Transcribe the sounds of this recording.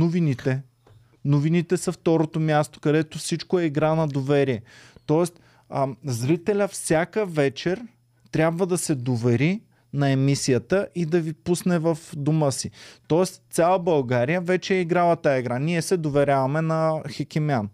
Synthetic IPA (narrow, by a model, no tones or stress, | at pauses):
novinit̪ɛ | novinit̪ɛsɐft̪ɔɾot̪omʲjast̪o̥kɐd̪ɛt̪ofsit͡ʃkoɛiɡɾanɐd̪ovɛɾiɛt̪ɔɛst̪ | zɾit̪ɛlʲəfsʲjakəvɛt͡ʃɛɾ | t̪ɾʲabvəd̪ɐsɛd̪ovɛɾi | nɐɛmisijət̪əʔid̪ɐvipusnɛvɐfd̪uməsit̪ɔɛst̪sʲalˠəbɐlˠɡaɾijəvɛt͡ʃɛɛiɡɾalˠɐt̪ajaiɡɾaniɛsɛd̪ovɛɾʲavɐmɛnɐxɛkʲiman